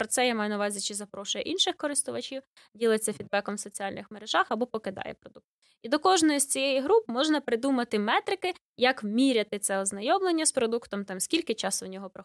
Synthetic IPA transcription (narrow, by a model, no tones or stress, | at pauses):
pɾɔt̪sɛjamɑjʊnɐʊʋɑzʲit͡ʃɪzɐpɾɔʃʊjɛʔinʃɪxkɔɾɪst̪ʊʋɐt͡ʃʲiw | dʲilˠɪt͡sʲːɐfʲid̪̚bɛkɔmsɔt͡sʲiɑlʲnɪxmeɾeʒɑxɐbɔpɔkɪd̪ɑ̰jɛ̰pɾɔd̪uk̚t̪ | id̪ɔkɔʒnɔjisʲt͡sʲijɛjiɦɾup̚mɔʒnɐpɾɪd̪umɐt̪ɪmɛt̪ɾɪkɪ | jɐkmʲiɾʲɐt̪ɪt̪sɛɔznɐjɔmlˠenʲːɐspɾɔd̪ukt̪ɔmt̪ɑmsʲkʲilʲkɪt͡ʃɑsɔnʲɔɦɔpɾɔ